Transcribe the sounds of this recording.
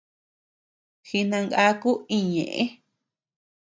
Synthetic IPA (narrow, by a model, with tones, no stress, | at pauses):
xi˧nã˧ŋɡa˦ku˦ĩ˧ɲḛ̃˨ʔḛ̃˦